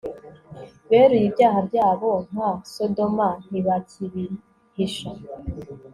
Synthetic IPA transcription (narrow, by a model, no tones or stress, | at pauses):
βeɾujibjaːɦabɟaːβoŋ̥hasodoman̥iβatʰiβi | hiʃa